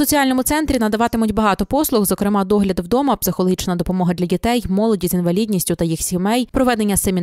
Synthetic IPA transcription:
sɔt͡sʲijɑlʲnɔmʊt̪sɛnt̪ɾʲinɐd̪ɐʋɑt̪ɪmʊtʲbɐɦɑt̪ɔpɔslˠʊxzɔkɾɪmɑd̪ɔɦlʲɐd̪wd̪ɔmɐpsɪxɔlˠɔɦit͡ʃnɐd̪ɔpɔmɔɦɐd̪lʲɐdʲit̪ɛjmɔlˠɔdʲizinʋɐlʲidʲnʲisʲtʲʊt̪ɐjixsʲimɛjpɾɔʋɛd̪e̞nʲːɐsemʲi

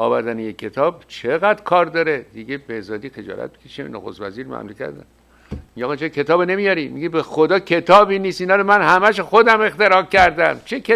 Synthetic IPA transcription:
ɒ̰ːvæɾd̪ænejekʰːe̞t̪ʰɒːbt͡ʃʰe̞ɣæd̪kʰɒːɾd̪ɒɾed̪iɡebezɒːd̪iːxe̞d͡ʒɒ̰ːlʔæ̰t̪̚be̥kʰe̥ʃenoxo̰st̪væziːɾmæ̰mlucʰæ̰ɾd̪æ̰n | mieɒːɣɛt͡ʃʰekʰet̪ʰɒːbene̞mijɒɾimiɡibexod̪ɒːcʰe̞t̪ʰɒːbiniːst̪inɒːɾomænhæmæʃoxod̪æme̞xt̪e̞ɾɒːfcæɾd̪æmt͡ʃʰekʰe

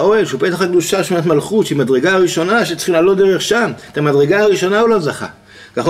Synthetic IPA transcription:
oelʃeubet̪aχakd̪uʃaʃmatmalχut̪ʃimadʁe̞ɡaaʁiʃo̞naʃet͡sχilaːlot̚d̪eʁeχʃamet̪amadʁe̞ɡaaʁiʃo̞naulo̞zaχa̰ | kaχ

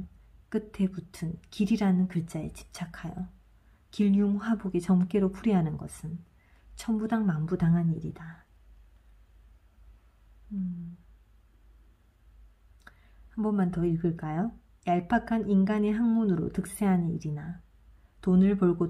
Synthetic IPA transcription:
k͈ɯtʰe̞butʰɯnkiɾiɾanɯnkɯɭt͡ɕ͈aet͡ɕi̥p̚t͡ɕ͈ʰakʰajʌ | kiʎuŋɸwaboɡet͡ɕʌmk͈e̞ɾopʰuɾiɦanɯnɡʌsʰɯn | t͡ɕʰʌmbudaŋmaŋbudaŋɦaniɾida | hambʌnmantʌiɭɡɯɭk͈ajo | jaɭpʰakʰaninɡaneɦaŋmunɯɾo̰tɯk̚s͈e̞ɦaniɾina | tonɯɭpoɭɡo

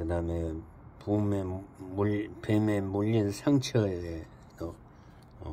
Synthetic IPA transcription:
kɯd̪ame | pumemupememuʎːinsʰaŋt͡ɕʰʌede | to

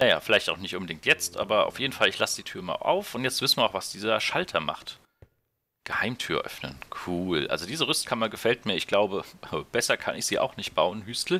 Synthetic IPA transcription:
naja̰ːfɪlaɪçtaʊxnɪçtʔʊnbədɪŋktjɛt͡stʔa̰ːbɐa̰ʊfjeːdn̩falɪçlasəd̥iːtʰyːɐma̰ːʔa̰ʊfʊntjɛt͡stv̥ɪsn̩viːɐaʊxv̥asd̥iːzɐʃaltʰɐma̰χt | ɡ̥əhaɪmtʰyːɐʔœ̰fnə̰nkʰuːlʔa̰lzodiːzəʁʏstkʰanmanɡəfɛltmiːɐɪçɡ̥laʊbəəb̥ɛsɐkʰa̰nɪçz̥iːʔa̰ʊxnɪçt̚b̥aʊənhystl̩

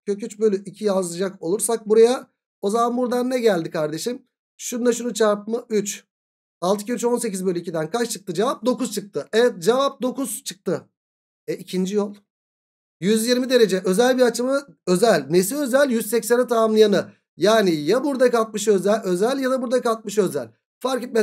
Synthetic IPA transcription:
cʰø̞cyt͡ʃbø̞lʲyʔicʰijazlˠɯd͡ʒako̞lˠuɾsak̚buɾaja | o̞zamanbuɾd̪anːɛɟælʲd̪ikʰaɾd̪e̞ʃim | ʃund̪aʃunut͡ʃʰaɾp̚mɯyt͡ʃ | alˠt̪ɯ̥cʰiyt͡ʃo̞nse̞c̬izbø̞lʲyicʰid̪ænkʰat͡ʃt͡ʃʰɯk̚t̪ʰɯd͡ʒevap̚d̪o̞kuz̥t͡ʃʰɯk̚t̪ʰɯɛjɛt̪̚d͡ʒevap̚d̪o̞kuz̥t͡ʃʰɯ̥k̚t̪ʰɯ | ɛʔicʰind͡ʒijo̞lˠ | jyzjiɾmid̪e̞ɾe̞d͡ʒɛʔø̞zælʲbiɾat͡ʃɯmɯ | ø̞zælʲnesiø̞zælʲjyzsɛcsænɛt̪ʰaamlˠɯjanɯ | jaːnijabuɾd̪akalˠt̪̚mɯʃø̞zælʲø̞zælʲjad̪abuɾd̪akalˠt̪̚mɯʃø̞zælʲ | faɾkit̪̚mɛ

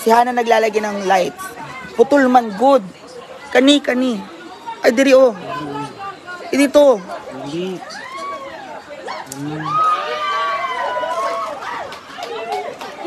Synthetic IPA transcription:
sɪhaːnɐnɐɡlaːlɐɡɪnɐŋlajt̪̚pʊt̪ʊlmɐŋɡʊd̪̚ | kɐnikɐni | ʔɐjd̪ɪɾɪʔo | ʔɪd̪ɪt̪o

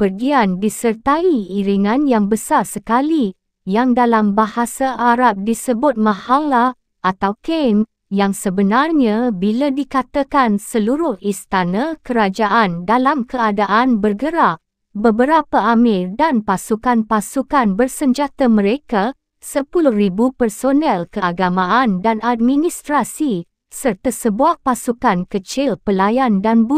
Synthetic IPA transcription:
pərɡiandisərt̪aiiɾiŋãnjaŋbəsarsəkali | jaŋdalambahasaʔaɾap̚disəbʊt̪̚mãhala | ʔat̪awken | jaŋsəbənarɲabiladikat̪akansəluɾʊhist̪anakəɾad͡ʒaʔandalamkəadaʔanbərɡəɾaʔ | bəbəɾapaamɪrdanpasukanpasukanbərsəɲd͡ʒat̪amə̃ɾeka | səpulʊhribupərsonɛlkəaɡamãandanad̚minist̪ɾasi | sərt̪asəbuaʔpasukankət͡ʃɪlpəlajandanbu

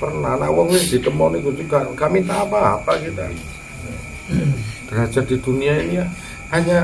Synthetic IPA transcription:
pərnana̰wəŋwɛd̪̥i̤t̪əmɔnikud͡ʒukakamit̪apapakit̪a̰ | b̥əɾḁd͡ʒard̪id̪̥uniainija | aɲa

